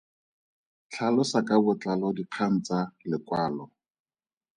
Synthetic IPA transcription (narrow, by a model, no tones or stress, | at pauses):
t͡ɬʰalɔsakabʊt͡ɬalɔdiq͡χʰan̩t͡salɪkwaːlɔ